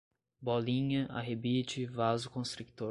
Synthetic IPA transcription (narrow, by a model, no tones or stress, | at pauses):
bɔlĩɲɐʔa̰ɦebit͡ʃɪvazʊkõst̪ɾukt̪o